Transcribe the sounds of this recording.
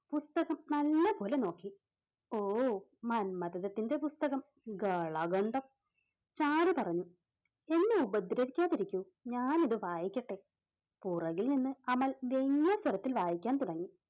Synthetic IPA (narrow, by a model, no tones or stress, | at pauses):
pust̪ɐɣɐmnɐlːɐpo̞ːleno̞ːkːi | oːmɐnmɐd̪ɐðɐt̪ːinde̞pust̪ɐɣɐm | ɡɐɭɐɡɐɳɖɐm | t͡ɕaːɽɨpɐrɐɲːu | e̞nːeubɐd̪ɾɐʋikʲːaːðiɾikʲːu | ɲaːniðɨʋaːjikʲːɐʈːe̞ | purɐɣilninːɨɐmːɐlʋe̞ŋːɐsɐɾɐt̪ːilʋaːjikʲːaːnt̪uɽɐŋːi